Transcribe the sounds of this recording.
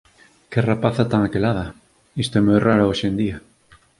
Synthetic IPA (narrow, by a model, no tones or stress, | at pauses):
kerapaθat̪aŋakelað̞a | ist̪emoeraɾaoʃend̪ia